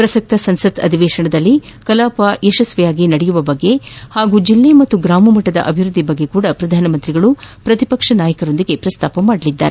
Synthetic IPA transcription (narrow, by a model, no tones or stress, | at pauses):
pɾɐsɐk̚t̪ɐsɐnsɐt̪ɐ̰d̪ʱiʋɛːʃɐɳɐd̪ɐlːi | kɐlaːpajeʃɐsʋɛjaːɡinɐɽɛjuʋɐbɐɡːe̞haːɡuːd͡ʒilːemɐt̪ːuɡɾaːmɐmɐʈːɐd̪ɐ̰ʔɐbʱiɾud̪ʱːibɐɡːe̞kuːɽɐpɾɐd̪ʱaːnɐmɐnt̪ɾiɡɐɭupɾɐt̪ipɐkʂɐnaːjɐkɐɾo̞nd̪iɡe̞pɾɐst̪aːpɐmaːɽɐɭid̪ːa̰ːɾe